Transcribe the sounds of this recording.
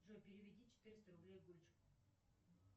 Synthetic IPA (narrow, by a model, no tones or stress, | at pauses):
ʐɨpʲɪɾʲɪvʲɪdʲit͡ɕɪ̥t̪ɨɾʲɪst̪əɾʊblʲejɡolʲt͡ɕɪk